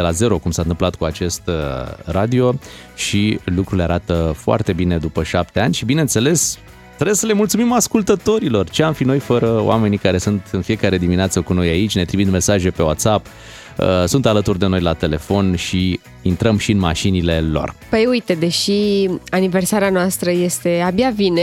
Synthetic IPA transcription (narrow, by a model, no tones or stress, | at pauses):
d̪elaze̞ɾo̞kumsant̪ɨmplat̪̚kuat͡ʃe̞st̪rad̪io̞ | ʃilukɾuleaɾat̪əfoa̰rt̪e̞bine̞d̪upəʃap̚t̪e̞anʲʃibine̞ɨnt̪se̞le̞s | t̪oɾesəle̞mult̪sumimaskult̪ət̪o̞ɾilo̞rt͡ʃeamfino̞jfəɾəo̰a̰me̞nikaɾe̞sunt̪ɨnfie̞kaɾe̞d̪imineat̪səkuno̞jait͡ʃʲne̞t̪ɾiminme̞saʒe̞pe̞wat̪sap | əsunt̪alət̪urd̪e̞no̞jlat̪e̞le̞fo̞nʃi | int̪ɾəmʃiɨnma̰ʃinile̞lo̞̰rpəjujt̪e̞d̪e̞ʃianiversaɾeanoast̪ɾəje̞st̪e̞abjavine